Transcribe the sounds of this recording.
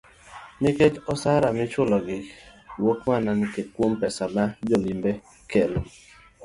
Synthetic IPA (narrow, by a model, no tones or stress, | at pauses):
nɪket͡ʃɔsaɾamɪt͡ʃʊlɔɡɪwokmananɪkekwompɛsanad͡ʒɔlimbe | kelo